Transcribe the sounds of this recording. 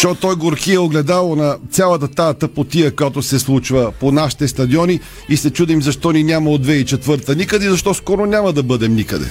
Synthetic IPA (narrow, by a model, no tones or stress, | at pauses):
ʃɔt̪ɔjɡoɾkiɛoɡlɛd̪alˠonɐt̪sʲalˠət̪ət̪at̪əpot̪iəkojat̪osɛslˠut͡ʃvəponaʃi̥t̪ɛst̪ɐd̪iɔni | isɛt͡ʃud̪imzɐʃt̪ɔninʲamɐod̪vɛit͡ʃɛt̪vɤɾt̪ənikəd̪ɛzɐʃt̪ɔskɔɾonʲamɐd̪ɐbɤd̪ɛmnikəd̪ɛ̰